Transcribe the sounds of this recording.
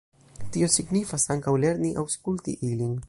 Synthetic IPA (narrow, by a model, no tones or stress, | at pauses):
tio̞siɡnifasaŋkawle̞ɾniʔawskultḭʔilin